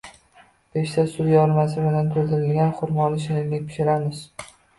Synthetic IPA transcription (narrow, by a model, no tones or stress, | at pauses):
b̥eʃt̪ʰasʊɾjaɒɾmasɪɾad̪ant̪ʰold̪ɪɾɪlɡʲanχʊɾmɒnɪʃɪnɪnʲlɪkʲpʰɪ̥ʃɪɾamɪz̥